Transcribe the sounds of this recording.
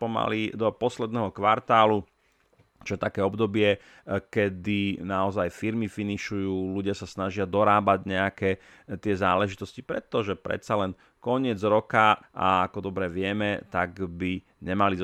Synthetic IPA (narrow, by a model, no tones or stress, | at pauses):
pɔma̰lid̪ɔpɔslɛd̪nɛɦɔkʋaɾt̪aːlu | t͡ʃɔjɛt̪akɛːɔbd̪ɔbɪɛ | kɛd̪inaɔzajfiɾmifiniʃujuːluɟɪasasnaʒɪad̪ɔɾaːbaɟɲɛakɛː | t̪ɪɛzaːlɛʒit̪ɔscipɾɛt̪ːɔʒɛpɾɛ̰t̪t͡salɛn | kɔɲɪɛd͡zɾɔkaʔa̰akɔd̪ɔbɾɛʋɪɛmɛt̪aɡbi | ɲɛmali